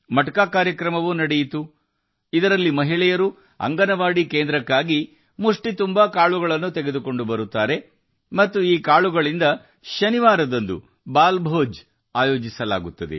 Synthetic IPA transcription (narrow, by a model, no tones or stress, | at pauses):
mɐʈɐkaːkaːɾjɐkɾɐmɐʋuːnɐɽejit̪u | id̪ɐɾɐlːimɐɦiɭɛjɐɾu | ɐ̰ŋɡɐnɐʋaːɽikeːnd̪ɾɐkːaːɡi | muʂʈit̪umbɐkaːɭuɡɐɭɐnːut̪eɡed̪uko̞ɳɖubɐɾut̪ːaːɾe̞ | mɐt̪ːuiːkaːɭuɡɐɭind̪ɐ | ʃɐniʋaːɾɐd̪ond̪ṵ | baːlbʱoːd͡ʒ | aːjo̞ːd͡ʒisɐla̰ːɡut̪ːɐd̪e̞̰